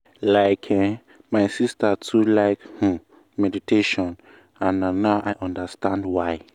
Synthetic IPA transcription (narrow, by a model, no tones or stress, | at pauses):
laɪkʰɛ̃ | maɪsistatʰulaɪkhũ | mɛditʰeʃɔ̃n | ãnanːaʊʔajʔɔ̃ndəstãndwaɪ